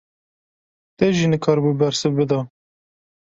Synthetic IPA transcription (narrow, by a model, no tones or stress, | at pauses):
t̪ɛʒiːnɨkʰɑːɾbuːbɛɾsɨbbɨd̪ɑː